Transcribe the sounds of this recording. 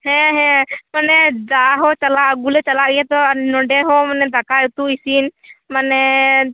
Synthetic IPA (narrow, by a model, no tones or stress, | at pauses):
hɛ̃ɦɛ̃manɛd͡ʒaɦɔt͡ʃalaʔɡulɛt͡ʃalaʔijãt̪ɔnɔɖɛɦɔmanɛd̪akajut̪uisinmanɛ